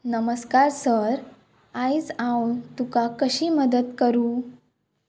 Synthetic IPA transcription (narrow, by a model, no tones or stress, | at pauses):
nəməskaɾsəɾ | ajd͡zãwt̪ukakəɕiːməd̪ət̪kəɾuː